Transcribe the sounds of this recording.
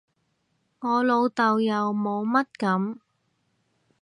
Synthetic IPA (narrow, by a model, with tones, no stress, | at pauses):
ŋɔː˨˧lo˨˧wt̪ɐ˨wjɐ˨wmo˨˧wmɐ˥t̚kɐ˨˥m